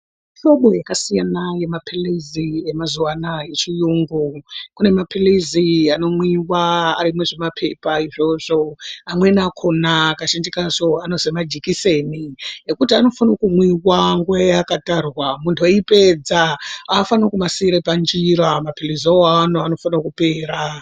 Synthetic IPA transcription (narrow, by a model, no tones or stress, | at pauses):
ʃo̞ɓojakasijanaje̞mapʰilizije̞mazuwanaje̞t͡ʃijuːŋɡukune̞mapʰiliziano̞mwiwaa̰ɾimweʐemapʰe̞paiʐo̞ʐo̞amwe̞nakʰonakaʃandikaʐo̞ano̞zemad͡ʒikise̞nijekutiano̞fanokumwiwaŋɡuajakatarwamuntʰoipe̞d͡zaafanokumasiɾepand͡ʒiɾamapiliziaoaːnoano̞fanakupe̞ːɾa